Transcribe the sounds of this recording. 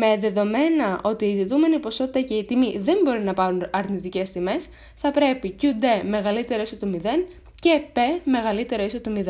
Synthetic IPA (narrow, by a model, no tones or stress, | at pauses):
me̞ðe̞ðo̞me̞nɐʔo̞t̪iːzit̪ume̞nipo̞so̞t̪i̥t̪ɐce̞it̪imiðe̞mbo̞ɾinɐpɐɾunɐɾnit̪ice̞st̪ime̞s | θɐpɾe̞picud̪e̞me̞ɣɐlit̪e̞ɾoisot̪umiðe̞n | ce̞pe̞me̞ɣɐlit̪e̞ɾo̞iso̞t̪umiðe